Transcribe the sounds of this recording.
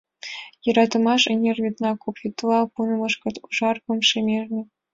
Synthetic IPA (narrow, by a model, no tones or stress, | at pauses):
jɤ̆ɾɑt̪ɤ̆mɑʂenʲerʲvʲit̪nɑkupʲit̪lˠɑpunɤ̆mɤ̆ʂkɤ̆t̪uʐɑrkɤ̆mʂĕmʲerʲnʲĕ